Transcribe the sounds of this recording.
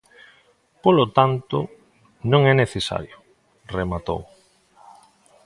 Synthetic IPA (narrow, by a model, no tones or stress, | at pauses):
polot̪ant̪ʊ̰ | nõŋɛneθesa̰ɾjo | remat̪o̰w